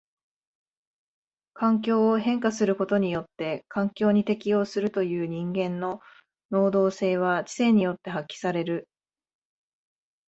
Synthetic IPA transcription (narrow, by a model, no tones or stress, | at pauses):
kãŋkʲo̞ːɦẽ̞ŋkasɨɾɯ̟ko̞t̪o̞ɲ̟ijo̞t̪ːe̞kãŋkʲo̞ːɲ̟it̪e̞kʲijo̞ːsɨɾɯ̟t̪o̞jɯ̟ːɲ̟ĩŋɡẽ̞nːo̞ | no̞ːd̪o̞ːse̞ːβ̞at͡ɕi̥se̞ɲ̟ijo̞t̪ːe̞ɦakʲːi̥saɾe̞ɾɯ̟